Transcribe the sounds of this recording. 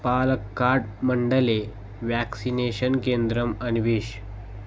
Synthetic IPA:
palkːaɾʈməɳɖəle | ʋæksineɕənkend̪ɾəmənʋiɕ

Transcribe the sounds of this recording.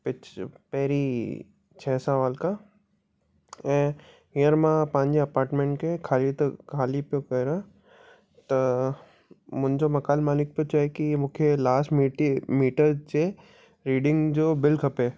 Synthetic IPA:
pɪt͡ʃpɛɦɾi | t͡ʃʰɛːsaʋaːlka | ɛ̃ | ijəɾmãpãːɲd͡ʑeɐpaːɾʈmẽːɳʈkekʰaːlit̪ɐkʰaːlipjokɐɾã | t̪ɐ | mʊ̃ɲd͡ʑomɐkaːlmaːlɪk̚pjot͡ʃaːekimʊ̃ːkʰelaːsʈmiʈimiːʈəɾt͡ʃe | ɾiːɖɪ̃ŋɡd͡ʑoːbɪlkʰɐpeː

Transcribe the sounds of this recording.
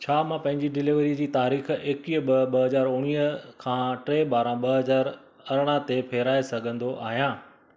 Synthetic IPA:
t͡ɕʰaːmãːpɐ̃ɦɪ̃ɲd͡ʑiɖɪlɪʋɾid͡ʑiːt̪aːɾiːxeːkiːɓɐɓɐɦɐzaːɾʊɽ̃iːəkʰãːʈɾeːɓaːɾãɓɐɦɐzaːɾ | ɐɾɽ̃at̪epʰeːɾaːesɐɡʱə̃nd̪oʔaːɦijãː

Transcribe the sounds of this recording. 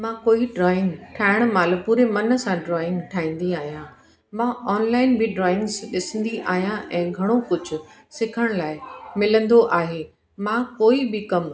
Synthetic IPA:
mãːkoːiɖɾɔːɪ̃ŋɡʈʰaːɪɽ̃̆maːlpuːɾemɐnə̆sãɖɾɔːɪ̃ŋɡʈʰaːĩːn̆d̪iaːɦijã | mãːʔɔːnlaːɪnbɪɖɾɔːɪ̃ŋɡzɗɪsə̃nd̪iʔaːɦijãʔɛ̃ːɡʱɐɽ̃okʊd͡ʑʱʊ̆ | sɪkʰəɽ̃laːɪmɪlə̃nd̪oʔaːɦeː | mãːkoːibɪkɐm

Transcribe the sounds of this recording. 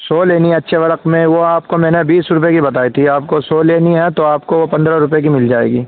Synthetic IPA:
soːleːniɦɛɐtːʃʰeʋɐɾəqmẽʋoaːpkomɛ̃ːnebiːsɾʊp̬ekibɐt̪̬aːit̪ʰiaːp̚kosoːleːniɦɛt̪oaːpkoʋopɐ̃nd̪ɾaɾʊp̬jek̬imɪld͡ʒaːḛːɡiː

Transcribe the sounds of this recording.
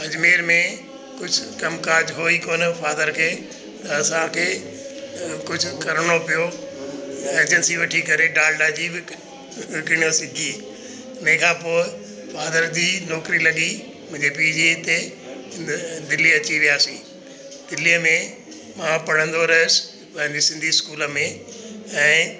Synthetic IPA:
ɐd͡ʑmeːɾmẽ | kʊd͡ʑʱʊkɐmkaːd͡ʑɦoːikoːnfʰaːd̪əɾkʰeː | ɐsaːlkʰeː | kʊd͡ʑʱʊkɐɾɽ̃opijo | eːd͡ʑənsiʋɐʈʰikɐɾeɖaːlɖaːd͡ʑibɪ | kɪɳ̃josɪɡʱiː | ʊnɦẽkʰãːpoːɪ | faːd̪əɾd͡ʑiːnɔːkɾilɐɠi | mʊ̃ɦɪ̃ɲd͡ʑep̬iːd͡ʑiɪt̪e | d̪ɪliɐt͡ɕiʋijaːsĩː | d̪̥ɪlijəmẽ | mãpɐɽ̤ə̃nd̪oɾɐɦʊs | pɐ̃ɦɪ̃ɲd͡ʑisɪ̃nd̪ʱiskuːləmẽ | ɛ̃ː

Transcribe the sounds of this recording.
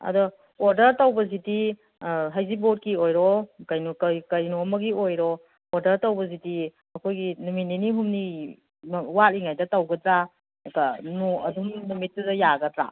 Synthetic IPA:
ɐ̰dɔ | oɾdɐɾtɐwbɐziti | ɦajzibot̚kiojɾɔkajnokkɐjnomɐɡiojɾɔː | ɾdɐɾtawbɐziti | ɐkʰojɡinumit̚niniɦumni | watiŋajdɐtɐwɡɐdɾa | kanoɐdumnumit̚ːɐdɐjaɡɐdɾa̰

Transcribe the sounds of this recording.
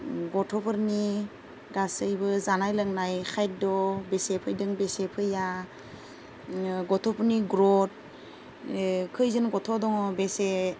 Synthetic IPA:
ɡɔtʰɔpʰɯɾni | ɡasɯjbɯzanajlɯŋnajxʰajt̚dɔbesepʰɯjdɯŋbesepʰɯja | ɡɔtʰɔpʰɯɾniɡɾɔt̚ | kʰɯjzɯnɡɔtʰɔdɔŋɔbese

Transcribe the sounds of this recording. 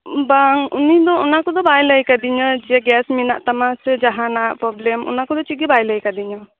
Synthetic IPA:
baŋunid̪ɔɔnakɔd̪ɔbajləjkad̪iɲəd͡ʒɛɡɛsminaʔt̪amasɛd͡ʒaɦanaʔpɾɔblɛmɔ̰nakɔd̪ɔt͡ʃiɡibajləjkad̪iɲɔ

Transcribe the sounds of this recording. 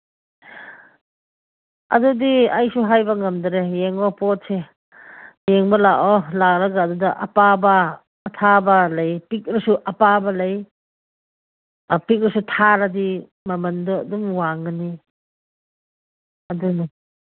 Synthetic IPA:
ɐ̰dudiajsuɦajbɐŋɐmdɐɾejeŋbɔpɔt̚se | jeŋbɐlaʔolak̚ɾɐɡaːdudɐʔɐ̰pabɐː | tʰabɐlɐjpik̚ɾɐsuʔɐpabɐlɐj | pik̚ɾisutʰaɾɐdi | mɐmɐnduduŋwaŋɡɐni | ɐduna

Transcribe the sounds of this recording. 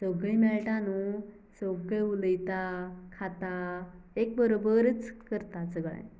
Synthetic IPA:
səɡɭimɛɭʈanu | səɡəuləjt̪akʰat̪a | ek̚bəɾobəɾət͡skəɾt̪at͡səɡɭã̰j

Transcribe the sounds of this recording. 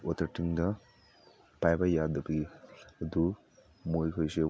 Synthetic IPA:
ɔt̪ɐɾʈiŋdɐ | pajbajad̪ɐbɐɡid̪u | mojkʰojse

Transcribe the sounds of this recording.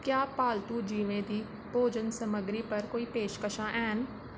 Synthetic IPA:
kjaːpaːlt̪ud͡ʒiːʋẽd̪iː | poːd͡ʒənsɐməɡɾipɐɾkoːipeːʃkəʃãʔɛːɦɪn̆

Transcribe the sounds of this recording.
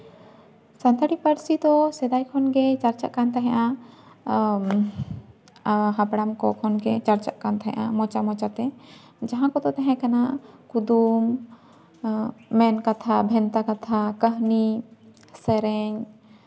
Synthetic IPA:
sant̪ʰəɽipəɾsid̪ɔsɛd̪ajkʰɔnɡɛt͡ʃaɾt͡ʃa̰ʔkant̪aɦɛ̃ʔa | ɦapɽamkɔkʰɔnɡɛt͡ʃaɾt͡ʃaʔkant̪aɦɛ̰̃ʔamɔt͡ʃamɔt͡ʃat̪ɛ | d͡ʒaɦãkɔd̪ɔt̪ɛɦɛ̃kanaʔkud̪um | ɛnkat̪ʰabʱɛnt̪akat̪ʰakəɦni | sɛɾɛɲ

